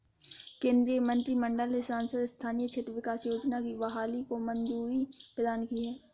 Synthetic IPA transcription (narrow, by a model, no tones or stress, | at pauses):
kẽːnd̪ɾijəmə̃nt̪ɾimə̃ɳɖəlesaːnsəd̪st̪ʰaːnijət͡ʃʰeːt̪ɾəʋɪkaːsjoːd͡ʒnakiʋɐɦaːlikomə̃nzuːɾipɾəd̪aːnkiɦɛː